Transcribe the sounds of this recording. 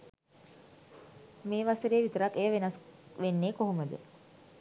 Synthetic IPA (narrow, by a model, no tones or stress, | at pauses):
meːʋasəɾeːʋit̪əɾakːejəʋenasʋenːeːkoɦoməd̪ə̰